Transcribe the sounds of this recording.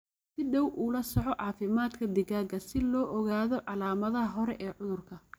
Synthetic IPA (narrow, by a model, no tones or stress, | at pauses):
sɪɖɐwʔuːlɐsɔʕɔʕɑːfɪmaːd̪kʰɐd̪ɪɣaːɡɐsɪlɔːʔɔɣaːðɔʕɑlaːmɐðɐɦɐɦɔɾɛʔɛːʕʊðʊrkʰɐ